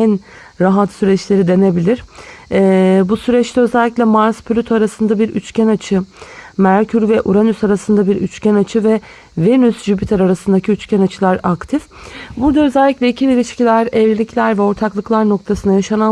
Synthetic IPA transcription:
æn | ɾaɦat̪syɾɛt͡ʃlʲe̞ɾid̪e̞ne̞bilʲiɾ̥ɛbusyɾɛt͡ʃt̪ʰɛøzɛlʲːiclʲɛmaɾspʰlʲot̪ʰoaɾasɯnd̪abiɾʔy̰t͡ʃcʰænat͡ʃʰɯmæɾcʰyɾvɛʔuɾanysaɾasɯnd̪abiɾy̰t͡ʃcænat͡ʃʰɯvɛ | venysʒybit̪ʰaɾaɾasɯnd̪acʰiyt͡ʃcʰænat͡ʃʰɯlˠaɾakt̪ʰif | buɾd̪aøzɛlʲːiclʲɛicʰibiɾiʃcilʲæɾɛvlilʲiclʲæɾvɛo̞ɾt̪ʰaklˠɯklˠaɾno̞kt̪ʰasɯnajaʃana

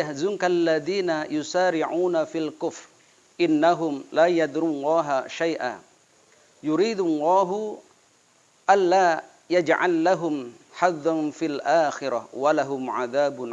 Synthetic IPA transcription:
ahzʊnkaʔlːaðiːnajʊsaːɾɪʕuːnafilkʊfɾ | ʔɪnːaɦʊmlaːjad̪ɾulˤːɑːɦaʃajʔa̰ː | jʊɾiːd̪lːɑːɦʊ | ʔanːaː | jad͡ʒʕa̰lːaɦʊm | ħaðːanfilʔaːxɪɾawalaɦʊmʕaðaːbʊ

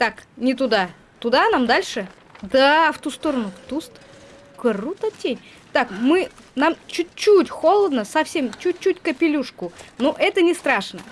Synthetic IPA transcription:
t̪aknʲɪt̪ʊd̪a | t̪ʊd̪anamd̪alʲʂɨ | d̪aft̪ust̪oɾənut̪ust̪ | kɐrut̪ətʲːenʲ | t̪akmɨnamt͡ɕʊt͡ɕːutʲxo̞lˠəd̪nəsɐfsʲe̞mt͡ɕʊt͡ɕːutʲkəpʲɪlʲuʂkʊnoʔɛt̪ənʲɪst̪ɾaʂnə

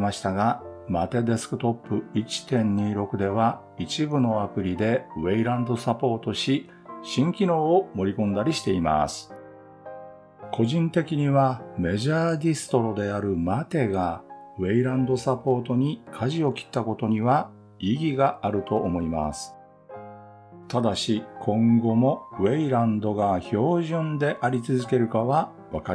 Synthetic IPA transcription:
maɕi̥t̪aɡamat̪e̞d̪e̞sɨ̥kɯ̟t̪o̞pːɯ̟it͡ɕi̥t̪ẽ̞ɲ̟ɲiːɾo̞kɯ̟d̪e̞βa | it͡ɕibɯ̟no̞apɯ̟ɾʲid̪e̞βe̞iɾãnd̪o̞sapo̞ːt̪o̞ɕi | ɕĩŋkʲino̞ːmo̞ɾʲikõ̞nd̪aɾʲiɕi̥t̪e̞ima̰sɨ̥ | kʰo̞ʑĩnt̪e̞kʲiɲ̟iβame̞ʑaːd̪ʲisɨ̥t̪o̞ɾo̞d̪e̞aɾɯ̟mat̪e̞ɡa | βe̞iɾãnd̪o̞sapo̞ːt̪o̞ɲ̟ikʰaʑio̞kʲi̥t̪ːako̞t̪o̞ɲ̟iβa | iɡʲiɡaaɾɯ̟t̪o̞ʔːmo̞ima̰sɨ̥ | t̪ad̪aɕikʰõ̞ŋɡo̞mo̞βe̞iɾãnd̪o̞ɡaço̞ːʑɨ̃nd̪e̞ʔaɾʲit͡sɨzɨke̞ɾɯ̟kaβa | βaka

